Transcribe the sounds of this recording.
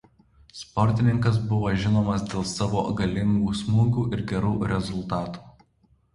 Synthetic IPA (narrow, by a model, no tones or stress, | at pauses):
spɔɾʲt̪ʲɪnʲɪŋkɐs̬bʊʋoːʒʲɪnoːmɐsd̪ʲeːlˠsɑːʋoːɡɐlʲɪŋɡuːsmuːɡuːʔɪɾɡʲɛɾuːɾʲɛzʊlˠt̪ɑːt̪u̥ː